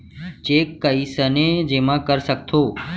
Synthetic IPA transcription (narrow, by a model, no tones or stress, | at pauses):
t͡ʃeːkːəisəned͡ʒemãkəɾsək̚t̪ʰoː